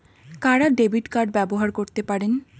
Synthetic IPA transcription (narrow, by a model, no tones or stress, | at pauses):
kaɽaɖebiʈkaɾɖ̚bɛboɦaɾkoɾt̪epaɾen